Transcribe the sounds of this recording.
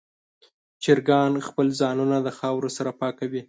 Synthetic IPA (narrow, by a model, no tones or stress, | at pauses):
t͡ʃɪɾɡɑnxpəlzɑnunad̪əxɑwɾosaɾapɑkawi